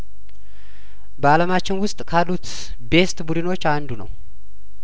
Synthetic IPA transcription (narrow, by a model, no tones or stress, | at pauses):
bəaləmat͡ʃːɪnwʊst̪ʼkʰalːut̪ | be̞st̪budɨno̞t͡ʃːand̪unə̰w